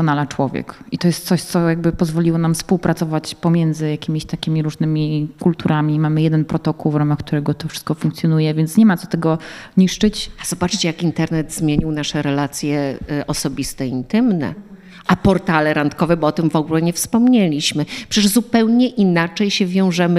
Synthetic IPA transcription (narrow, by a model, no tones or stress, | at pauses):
ɔnalat͡ʂwɔvʲjɛ̰kit̪ɔjɛst̪sɔɕt̪sɔjaɡ̚bɘpɔzvɔlʲiwɔnamfspuwpɾat̪sɔvat͡ɕpɔmʲjɛnd̪zɘjakʲimʲiɕt̪akʲimʲiɾuʐnɘmʲikult̪uɾʔamʲimamɘjɛd̪ɛnpɾɔt̪ɔkuwvɾamaxk̚t̪uɾɛɡɔt̪ɔfʂɘ̥st̪̚kɔfũŋkt̪sʲjɔnujɛvʲjɛnt̪sɲɛmat̪ɔ̥t̪ɛɡɔɲiʂt͡ʂɘt͡ɕaz̥ɔbat͡ʂt͡ɕɛjakint̪ɛɾnɛd̪zmʲjeɲiwnaʂɛɾɛlat̪sʲjɛʔɔsɔbʲist̪ɛint̪ɘmnɛ̰ | ʔapɔɾt̪alɛɾant̪kɔvɛbɔɔt̪ɘmvɔɡulɛɲɛfspɔmɲelʲiɕmɘpʂɛɛʐzupɛwɲɛʔinat͡ʂɛjɕɛvʲjɔ̃w̃ʐɛmɘ